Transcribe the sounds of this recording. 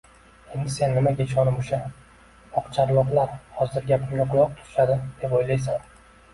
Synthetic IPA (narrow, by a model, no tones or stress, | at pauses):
e̞nd̪ɪse̞nːɪmaɡʲet͡ʃɒnɪmoʃa | ɒqt͡ʃʰaɾlɒqlˠaɾhɒzɪɾɡʲapʰɪɡʲaqʰʊlˠɒq̚t̪ʰʊ̥ʃad̪ɪd̪̥e̞pojlajs̬an